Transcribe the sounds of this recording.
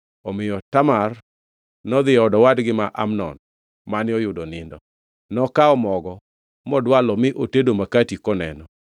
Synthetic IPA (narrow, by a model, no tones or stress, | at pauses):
ɔmɪjɔtamar | nɔd̪ɪɔdɔwadɡɪmaʔa̰mnɔ̰n | manɪɔjʊdonɪndɔ | nɔkaɔmɔɡɔ | mɔdwalɔmɪʔotedomakatikɔnɛnɔ